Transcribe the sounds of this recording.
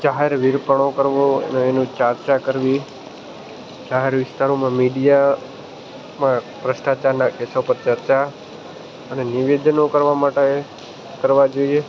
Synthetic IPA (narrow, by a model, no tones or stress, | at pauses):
d͡ʒaɦeɾʋiɾpəɳ̃okəɾʋoḛnoenũt͡ʃaɾt͡ʃakəɾʋi | d͡ʒaɦeɾʋɪst̪aɾomãmiɖija | mã | pɾəʃʈat͡ʃaɾnakesopəɾt͡ʃəɾt͡ʃa | əneniʋed̪ənokəɾʋamaʈe | kəɾʋad͡ʒoie